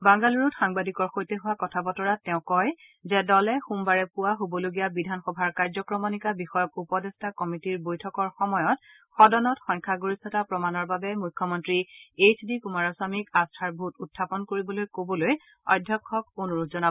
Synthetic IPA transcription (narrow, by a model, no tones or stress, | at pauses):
baŋɡaluɹutxaŋbadikɔɹxojtɛɦʊwakɔtʰabɔtɔɹatɛʊ̃kɔj | zɛdɔlɛxumbaɹɛpuwaɦobɔloɡijabidʱanxɔbʱaɹkaɹzɔkɹɔmɔnikabixɔjɔkupɔdɛstʰakɔmitiɹbojtʰɔkɔɹxɔmɔjɔt | xɔdɔnɔtxɔɲkʰaɡoɹisɔtapɹɔmanɔɹbabɛmujkʰːɔmɔntɹiet͡ʃʰdikumaɹɔsamikastʰaɹbʱututʰːapɔnkoɹibɔlojkobɔloj | ɔ̰jdʱːɔkʰːɔk̚onuɹutzɔna